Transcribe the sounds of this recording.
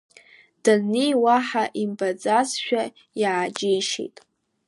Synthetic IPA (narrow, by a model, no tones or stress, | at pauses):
d̥anijwaħaʔimbad͡zazʃᶣa | jaːd͡ʒejʃḛjtʼ